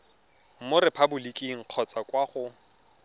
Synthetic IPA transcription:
m̩mʊɾɪpʰabʊlikʼiŋ̩q͡χʰɔt͡sʼakʼwaχʊ

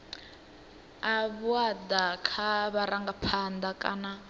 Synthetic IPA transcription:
aβuad̪akʰaβaɾaŋɡapʰand̪akʼa̰na

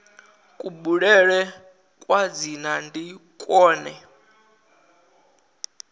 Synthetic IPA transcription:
kʼuɓuɺɛɺɛ | kʼwad͡zinandʱikʼwɔːnɛ

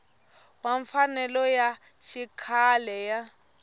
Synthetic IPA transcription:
waɱfanɛlɔja | ʃikʰalɛja

